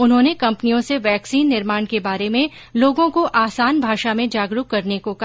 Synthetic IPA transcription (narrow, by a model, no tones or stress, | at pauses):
ʊnɦõːnekɐ̃mpnijõseʋɛːksiːnːɪɾmaːɳkebaːɾemẽ | loːɡõkoʔaːsaːnbʱaːʃamẽd͡ʒaːɡɾukːɐɾnekoka